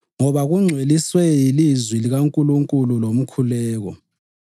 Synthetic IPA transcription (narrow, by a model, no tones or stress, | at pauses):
ŋɔβaɣuŋ͡ǀʱweliswɛjilizwiliɣaŋkʼuluŋkʼululom̩kʰulɛːɣɔ̰